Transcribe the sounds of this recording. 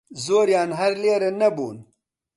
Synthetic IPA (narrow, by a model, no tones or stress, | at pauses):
zoːɾjɑːnɦɐɾleːɾenɐbṵːn